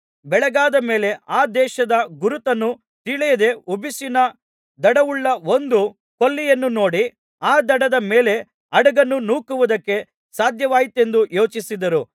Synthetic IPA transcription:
bɛɭɛɡaːd̪ɐme̞ːle̞ʔaːd̪ɛːʃɐd̪ɐɡuɾut̪ɐnːu | t̪iɭɛjɐd̪e̞ubisinɐ | d̪ɐɽɐʋuɭːɐond̪u | ko̞lːijɐnːuno̞ːɽi | aːd̪ɐɽɐd̪ɐme̞ːle̞ | ɐɽɐɡɐnːunuːkuʋud̪ɐkːe̞ | saːd̪ʱjɐʋaːjit̪e̞nd̪ujo̞ːt͡ʃisid̪ɐɾu

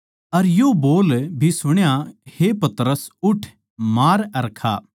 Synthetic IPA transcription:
ɐɾjoboːlbʱisʊɽ̃jahepɐt̪ɾəsʊʈʰ | maːɾɐɾkʰa̰ː

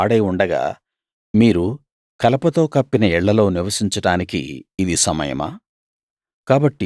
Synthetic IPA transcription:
aːɽɐjuɳɖɐɡa̰ː | miːɾu | kɐlɐpɐt̪o̞ːkɐpːinɐɛɭːɐlo̞ːniʋɐsiɲt͡ʃɐɽaːnikḭːd̪isɐmɐ̰jɐ̰ma̰ː | kaːbɐʈːi

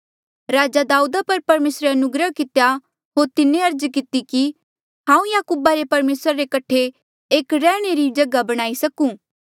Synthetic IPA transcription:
ɾaːd͡ʒad̪aːuːd̪apɐɾpɐɾmeːsɾeɐnʊɡɾəɦkɪt̪eja | ɦoːɾt̪ɪnẽɐɾd͡ʒkɪt̪iki | ɦãːũjaːkuːbaɾepɐɾmeːsɾaɾekɐʈʰːe | eːkɾɛːɽ̃eɾid͡ʒɐɡabɐɽ̃aːisɐkũː

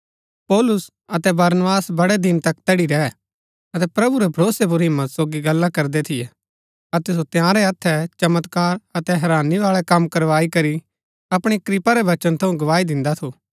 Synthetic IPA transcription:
pɔːlʊs | ɐt̪ɛbɐɾnʋaːsbɐɽɛd̪ɪnt̪ɐkt̪ɐɽiɾɛː | ɐt̪ɛpɾɐbuɾɛbʱɐɾoːsep̬uɾɦɪ̃mːət̪soːɡiɡɐlːãkɐɾd̪ɛt̪ʰɪjɛ | ɐt̪ɛs̬ot̪jãːɾɛɐt̪ʰːɛt͡ʃɐmət̪kaːɾɐt̪ɛɦɛɾaːniʋaːɭɛkɐmːkɐɾʋaːikɐɾi | ɐpɽ̃ikɾɪpaɾɛʋɐt͡ʃənt̪ʰɐ̃ũɡɐʋaːid̪ɪ̃nd̪at̪ʰoː

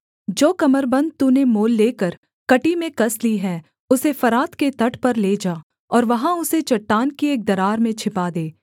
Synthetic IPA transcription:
d͡ʒoːkɐməɾbɐ̃nd̪̚t̪unemoːlːeːkəɾ | kɐʈimẽkɐsliɦɛː | ʊsefɐɾaːt̪ket̪ɐʈʰpɐɾleːd͡ʒaː | ɔːɾʋɐɦãʊset͡ʃɐʈːaːnkieːk̚d̪ɐɾaːɾmẽt͡ʃʰɪpad̪eː

